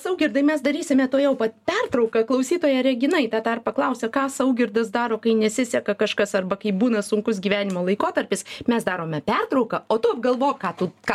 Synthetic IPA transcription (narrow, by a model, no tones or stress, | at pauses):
sɐʊɡʲɪrd̪ɐɪmʲɛsd̪ɐɾʲiːsʲɪmʲɛt̪oːjɛʊpɐpʲɛrt̪ɾɐʊkɐklˠɐʊsʲiːt̪oːjɛɾʲɛɡʲɪnɐɪt̪ɑːd̪ɐrpɐklˠɐʊsʲɛkɑːsɐʊɡʲɪrd̪ɐsd̪ɑːɾoːkɐɪnʲɛsʲɪsʲɛkɐkɐʃkɐsɐrbɐkɐɪbuːnɐsʊŋkʊs̬ɡʲiːʋʲæːnʲɪmoːlˠɐɪkoːt̪ɐɾʲpʲɪsmʲɛsd̪ɑːɾoːmʲɛpʲɛrt̪ɾɐʊkɐoːt̪ʊɐb̚ɡɐlˠʋoːjkɑːt̪uk